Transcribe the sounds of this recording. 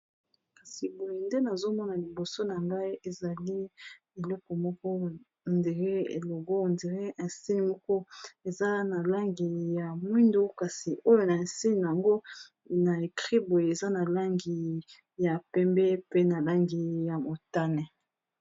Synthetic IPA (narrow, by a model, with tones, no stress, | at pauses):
ka˨si˨bo˨je˨nde˦na˨zo˦mɔ˦na˨li˨bo˨so˦na˨ŋɡa˦i˦ʔe˨za˨li˦ | e˨lɔ˦kɔ˨mɔ˦kɔ˦ | nde˨ʁe˦ḛ˨lo˨ɡo˦˨nde˨ʁe˦ʔɛ˨si˦ni˨mɔ˦kɔ˦e˨za˦na˨la˦ŋɡi˨ja˨mwi˦ndo˦ka˨si˨ʔo˦jo˦˨na˨e˨si˦ni˨n˨a˨ŋɡo˦ | na˨e˨kʁi˦bo˨je˨e˨za˦na˨la˦ŋɡi˨ | ja˨pɛ˦mbɛ˦pe˦na˨la˦ŋɡi˨ja˨mo˨ta˦nɛ˨